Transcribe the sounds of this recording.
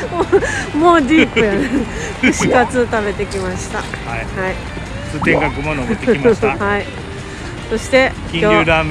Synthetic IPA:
omo̞ːdʲipɯjane | ɕi̥kat͡sɨt̪abe̞t̪e̞kʲimaɕi̥t̪a̰aihai | sɨt̪ẽɡakɯmonot̪eimhai | so̞ɕi̥t̪e̞kʲĩoːɨɾam

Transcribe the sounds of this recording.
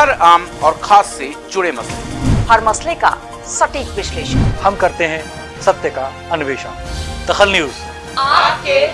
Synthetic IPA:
ɦɐɾaːmɔːɾxʰaːsːed͡ʒʊɽemɐslḛhɐɾmɐsleka̰ | sɐʈiːkʋɪʃleːʃənhɐmkɐɾt̪eɦɛ̃ | sɐb̚t̪jəka | ɐnʊʋeːʃə̰nd̪̥ɐxəlnjuːz | k

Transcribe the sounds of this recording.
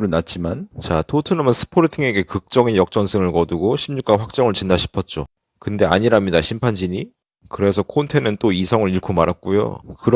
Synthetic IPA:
ɾɯnat̚t͡ɕ͈imant͡ɕatʰotʰɯnɯmɯnsʰɯ̥pʰoɾɯtʰiŋe̞ɡe̞kɯk̚t͡ɕ͈ʌŋijʌk̚t͡ɕ͈ʌnsʰɯŋɯɭkʌduɡoɕʰimɲuk͈aɸwak̚t͡ɕ͈ʌŋɯɭt͡ɕinːaɕʰi̥pʰʌt̚t͡ɕ͈o | kɯnde̞a̰ɲiɾamɲidaɕʰimpʰand͡ʑiɲi | kɯɾe̞sʰʌkʰontʰenɯnt͈oisʰʌŋɯɾiɭkʰomaɾak̚k͈ujo̰kɯɾ

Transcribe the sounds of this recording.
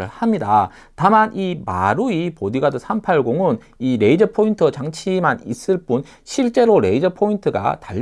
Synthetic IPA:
ɯɭhamɲida | tamanʔima̰ɾuipodiɡadɯsʰampʰaɭɡoŋɯn | iɾe̞id͡ʑʌpʰointʰɯt͡ɕaŋt͡ɕʰimanḭs͈ɯɭp͈un | ɕʰiɭt͡ɕ͈e̞ɾoɾe̞id͡ʑʌpʰointʰɯɡa̰taʎː

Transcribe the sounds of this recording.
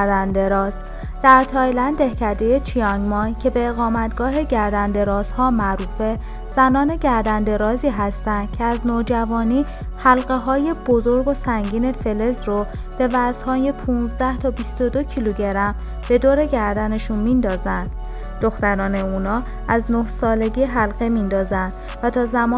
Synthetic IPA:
ɾd̪ænd̪e̞ɾɒːz̥ | d̪̥æɾt̪ʰɒːjlænd̪e̞hcʰæɾd̪e̞je̞t͡ʃʰiɒŋmɒjcʰe̞be̞ːɣɒːmæt̪ɡ̥ɒːɦe̞ɟæɾd̪ænd̪e̞ɾɒːz̥hɒːmæʔɾuːfe̞ | z̥ænɒːne̞ɟæɾd̪ænd̪e̞ɾɒːziːɦæst̪ænd̪̥̚cʰeæznoːd͡ʒævɒːniː | hælɢe̞ɦɒːje̞b̥o̞zoɾɡo̞sæŋɡiːne̞fe̞lezɾo | b̥e̞væz̥hɒːje̞pʰuːnzd̪æht̪ʰɒːbist̪o̞d̪ocʰiluɟe̞ɾæm | b̥e̞d̪oːɾe̞ɟæɾd̪æne̞ʃunmind̪ɒːzænd̪̥ | d̪̥o̞xt̪æɾɒːne̞unɒː | æznohsɒːle̞ɟiːɦælɣemind̪ɒːzænd̪̥ | væt̪ʰɒːzæmɒː

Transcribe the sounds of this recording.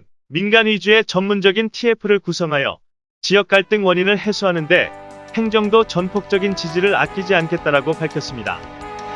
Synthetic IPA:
minɡanɥid͡ʑue̞t͡ɕʌnmːund͡ʑʌɡintʰiepʰɯɾɯɭkusʰʌŋɦajʌ̰ | t͡ɕiʌk̚k͈aɭt͈ɯŋwʌɲinɯɭɦe̞sʰuɦanɯnde̞he̞ŋd͡ʑʌŋdot͡ɕʌnpʰok̚t͡ɕ͈ʌɡint͡ɕid͡ʑiɾɯɾa̰k͈ʰid͡ʑiankʰe̞t̚t͈aɾaɡopaɭkʰjʌs͈ɯmɲida̰

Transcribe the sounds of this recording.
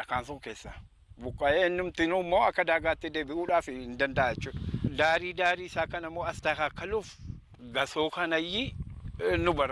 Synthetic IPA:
ɐkaːnsʊŋkeːsːa | bʊkʼːɐʔeːɛnːʊmt̪ɪnumːoːɐkːɐd̪aːɡaːt̪ːɪd̪eːbɪʔuːᶑaːfɪhɪnd̪ɐnd̪ɐʔajɛt͡ʃːuːᶑd̪aːɾiːd̪aːɾiːɪsaːkɐnɐmːoːɐst̪aːkakːɐlʊf | ɡɐsoːkɐnɐjːɪ | nʊbɐr

